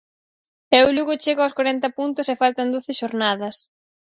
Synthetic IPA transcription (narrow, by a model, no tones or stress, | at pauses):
ɛwluɣʊt͡ʃeɣaɔskwaɾɛnt̪ɐpunt̪ʊsefalt̪ɐnd̪oθɪʃoɾnaðɐs